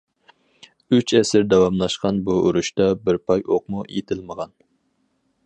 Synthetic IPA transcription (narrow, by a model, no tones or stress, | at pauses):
yt͡ʃʰɛsɪɾd̪ɛwɑmlˠɑʃqɑnbuːɾuʃt̪ɑbɪɾpʰɑjoq̚mujḛt̪ʰɪlməʁɑn